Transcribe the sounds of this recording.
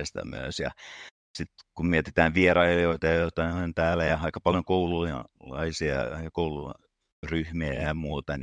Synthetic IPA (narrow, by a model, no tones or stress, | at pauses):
est̪ɑ̰my̰ø̰sjɑ̰ | sit̪kummiet̪i̥t̪æːnʋierɑiljoit̪ɑjɑjot̪ɑioent̪æːlæjɑɑikɑpɑljoŋkoululɑ̰isiɑ̰ɑikɑkouluɑ̰ | ryhmiæjɑmuːt̪ɑn